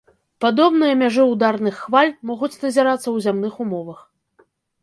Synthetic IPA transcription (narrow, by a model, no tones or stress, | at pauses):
pad̪ɔbn̪ɨjɐmʲaʐɨud̪arn̪ɨxːvalʲmɔɣut͡sʲnɐzʲaɾat̪sːɐwzʲamnɨxumɔvɐx